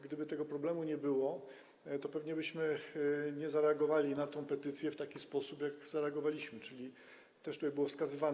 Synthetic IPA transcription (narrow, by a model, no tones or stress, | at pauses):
ɡd̪ɘbɘt̪ɛɡɔpɾɔblɛmuɲɛbɘwɔ | t̪ɔpɛvɲɛbɘɕmɘɲɛzaɾɛaɡɔvalʲinat̪ɔ̃w̃pɛt̪ɘt̪sʲjɛft̪akʲispɔsupjakzaɾɛaɡɔvalʲiɕmɘt͡ʂɘlʲi | t̪ɛʃʂt̪ut̪ajbɘwɔfskazɘvan